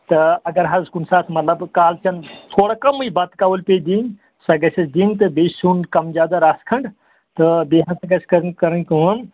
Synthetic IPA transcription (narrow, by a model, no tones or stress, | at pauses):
t̪ɨɐɡɐɾɦɐzzkunsaːt̪ʰmɐt̪lɐbkaːlt͡ʃɐnt̪ʰoːɽakɐmuibɐt̪kaːʋəlped̪ĩŋ | sɐɡɐsɐsd̪ĩŋɡt̪ɨbeːsuːnkɐmzjaːd̪aɾaːskʰɐɳɖ | t̪ɨbeɦɐ̃nsɐɡɐskɐɾkɐɾənkəən